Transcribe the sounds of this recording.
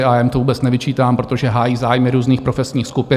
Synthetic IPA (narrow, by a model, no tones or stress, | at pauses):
ɪajɛmt̪ovuːbɛt͡snɛvɪt͡ʃiːt̪aːmpɾo̞t̪o̞ʒɛɦaːjiːzaːjmɪɾuːzniːxpɾo̞fɛsɲiːxskupɪ